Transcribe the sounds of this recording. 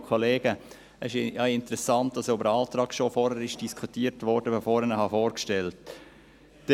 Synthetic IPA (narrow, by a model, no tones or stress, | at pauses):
kʰoleːɡ̥ə | ɛʃjɑɪntəɾɛsɑntːɑsʊbəɾɑːlt̪ɾɑːkʃofɔːɾhəɾɪʃd̥iskʰutiːəɾtʋɔɾd̥əbəfoːɾənəhɑfoːɾkʃtɛlt | d̥